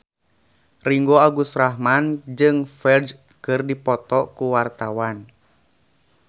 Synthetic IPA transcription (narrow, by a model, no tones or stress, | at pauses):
riŋɡoaɡust̪ɾaɦmand͡ʒɨŋfɛd͡ʒ | kɨrdipɔt̪ɔkuwart̪awan